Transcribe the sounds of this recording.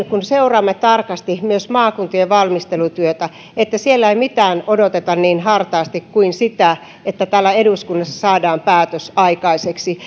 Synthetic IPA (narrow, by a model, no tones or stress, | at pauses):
kunseurɑːmːett̪ɑrkɑst̪imyøsmɑːkunt̪ojeʋɑlmist̪elut̪yøt̪æ | et̪ːæsielːæeimit̪æːnodot̪et̪ɑnniːnɦɑrt̪ɑːst̪ikkuinsit̪æ | et̪ːæt̪æːlːæeduskunːɑsːɑsɑːdɑːmpæːt̪øsɑikɑiseksi